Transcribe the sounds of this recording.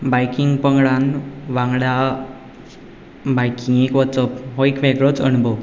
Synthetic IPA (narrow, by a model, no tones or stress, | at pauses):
bajkiŋɡpəŋɡɽanʋãŋɡɽja | bajkʰiŋekʋət͡səpɦoikʋeɡɭət͡səɳbo